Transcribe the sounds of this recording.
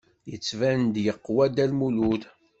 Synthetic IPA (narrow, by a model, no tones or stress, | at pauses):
jət͡sːvænd̪jəqːwæd̪ælmuluθ